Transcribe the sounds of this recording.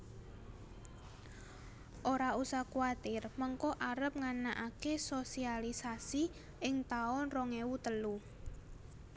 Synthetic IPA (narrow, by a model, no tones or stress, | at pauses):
ʔoɾausakuat̪ɪrmɔŋkɔʔaɾəp̚ŋanaʔakesosialisasi | ɪŋt̪aʊnroŋewut̪əlu